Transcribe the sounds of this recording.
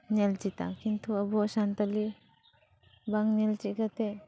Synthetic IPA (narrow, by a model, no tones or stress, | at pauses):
nɛlt͡ʃit̪a̰kint̪uabɔsant̪ali | baŋnɛlt͡ʃikat̪e